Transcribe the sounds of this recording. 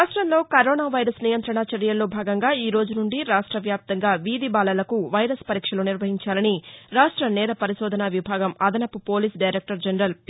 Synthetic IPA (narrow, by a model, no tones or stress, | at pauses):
aʂʈɾɐmlo̞ːkɐɾoːnaːʋɐjɾɐsnijɐnt̪ɾɐɳaɐt͡ʃɐɾjɐlːo̞ːbʱaːɡɐŋɡaːiːɾoːd͡ʒunuɳɖiɾaːʂʈɾɐʋjaːp̚t̪ɐŋɡaːʋiːd̪ibaːlɐlɐkuʋɐjɾɐspɐɾiːkʂɐloːniɾʋɐɦiɲt͡ʃaːlɐniɾaːʂʈɾɐnɛːɾɐpɐɾiʃɔːd̪ʱɐnɐʋibʱaːɡɐmɐd̪ɐnɐpːupo̞ːliːsɖɐjɾek̚ʈɐɾd͡ʒɐnɾɐl